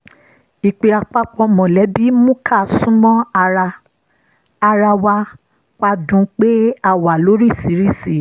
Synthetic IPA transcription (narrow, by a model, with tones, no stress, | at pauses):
i˨k͡pe˧a˧k͡pa˦k͡pɔ̃˧mɔ̃˨lɛ˨˦bi˦mũ˦kʰa˦˨sũ˦mɔ̃˦a˧ɾa˧ | a˧ɾa˧wa˧ | kʷa˧dũ˨˧k͡pe˦a˦˨wa˨lo˨˦ɾi˦˨si˨˦ɾi˦˨si˨